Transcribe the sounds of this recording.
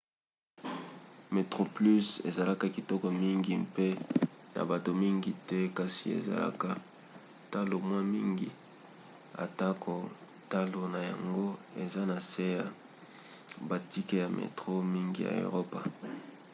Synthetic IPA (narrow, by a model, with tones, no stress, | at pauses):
me˨tʁo˨ply˦se˨za˨la˦ka˨ki˨tɔ˦kɔ˨mi˦ŋɡi˨mpe˦na̰˨ba˨to˨mi˦ŋɡi˨tɛ˦ka˦sḭ˨ḛ˨za̰˨la̰˦ka˦ | ta˦lo˨mwa˦mi˦ŋɡi˨ | a̰˨ta˦ko˨ | ta˦lo˨na˨ja̰˨ŋɡo˦e˨za˦na˨se˦ja˦ | ba˨ti˦ke˦ja˨mʔḛ˨tʁo˦mi˦ŋɡi˦ja̰˨o̰˨ʁo˦pa˨